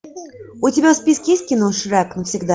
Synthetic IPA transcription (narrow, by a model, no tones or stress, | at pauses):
ʊtʲɪbʲaspʲiskjest̪̚ʲkʲinuʂɨɾaknəfsʲɪɡd̪a